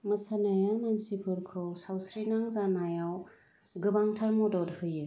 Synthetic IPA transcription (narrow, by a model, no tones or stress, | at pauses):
mɯsanajamansipʰɯɾkʰɯwsawsɾinaŋzanajaw | ɡɯbaŋtʰaɾmɔdɔdhɯjɯ